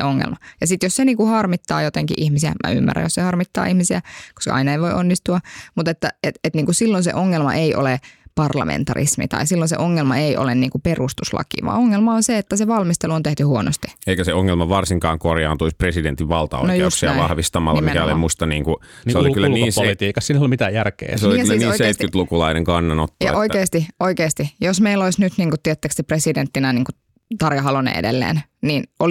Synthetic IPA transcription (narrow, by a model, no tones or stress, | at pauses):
eoŋːḛlmɑjɑsit̪josseniːŋkuhɑrmit̪ːɑ̰ːjot̪eŋkḭʔihmisiæ̰mʔæ̰ymːæ̰ræ̰josehɑrmit̪ːɑ̰ːihmisiæko̥skɑ̰ʔɑ̰inɑeiʋoiʔonːist̪uɑmut̪et̪ːæet̪et̪niːŋkusilːonsḛʔoŋːelmɑ̰ʔeiʔo̰lepɑrlɑ̰mʔḛnt̪ɑrḭsmḭt̪ɑ̰isilːonsḛʔoŋːelmɑeiʔo̰lenniːŋkuperust̪uslɑ̰kḭʋɑ̰oŋːelmɑonseet̪ːæseʋɑlmist̪eluont̪eht̪yhuono̰st̪i̥eikæseoŋːelmɑʋɑrsiŋkɑːŋkorjɑːnt̪uispresident̪iʋʋɑlt̪ɑ̰o̰nojjuosksiɑ̰ʋɑhʋist̪ɑmɑ̰lːɑmikæolimust̪ɑniːŋku | seolikylːæniːnselit̪iːkɑsinːolimit̪æjærkḛːseolkːlːæniːniseit̪kyt̪lukulɑineŋkɑnːɑnot̪ːjɑ̰ʔoikkeːst̪ioikeːst̪ijosmeilolisnyt̪niːŋkut̪ːiɛæt̪ːæksepresident̪ːinæniːŋku | t̪ɑrjɑɦɑlonḛḛdḛlːḛːnniːno